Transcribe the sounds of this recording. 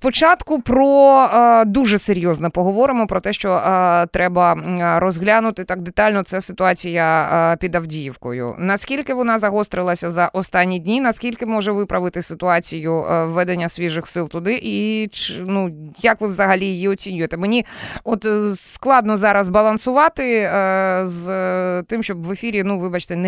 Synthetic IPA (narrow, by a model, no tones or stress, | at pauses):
spɔt͡ʃɑt̪kʊpɾɔ | d̪uʒɛseɾʲjɔznɔpɔɦɔʋɔɾɪmɔpɾɔt̪ɛʃt͡ʃɔt̪ɾʔɛbɐɾɔzɦlʲanʊt̪ɪt̪ɑɡ̚d̪et̪ɑlʲnɔt̪sɛsɪt̪ʊɑt͡sʲijɐpʲid̪ɐwdʲijiwkɔjʊ̰nɐskʲilʲkɪʋɔnɑzɐɦɔst̪ɾɪlˠɐsʲɐzɐʔɔst̪ɑnʲːid̪ʲnʲinɐskʲilʲkɪmɔʒɛʋɪpɾʔɐʋɪt̪ɪsɪt̪ʊɑt͡sʲijʊːɛd̪enʲːɐsʲʋʲiʒɪxsɪlˠt̪ʊd̪ɪʔit͡ʃnujɐkʋɪʋzɐɦɐlʲijijiɔt͡sʲinʲʊjt̪ɛmenʲiɔt̪sklˠɑd̪nɔzɑɾɐzbɐlˠɐnsʊʋɑt̪ɪ | zt̪ɪmʃt͡ʃɔbʋefʲiɾʲinuʋɪbɑt͡ʃt̪ɛn